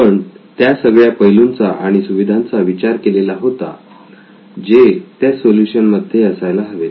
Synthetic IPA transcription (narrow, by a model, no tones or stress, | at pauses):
pəɳt̪jasəɡɭjapəjlunt͡saʔaɽ̃isuʋid̪ʱãnt͡saʋit͡ɕaɾkelelaɦot̪a | d͡ʑet̪jasoljuɕənməd̪ʱːjeəsajlaɦəʋe